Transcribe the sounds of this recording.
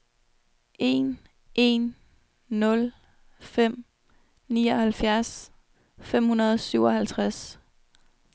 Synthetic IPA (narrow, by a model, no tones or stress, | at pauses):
ʔe̝̰n | ʔe̝nː | ɔ̽l | fem̰ | niːɒhælfjæɐs | fem̰hunɐð̞̩ˠsyʊɒhælt͡sʰʁas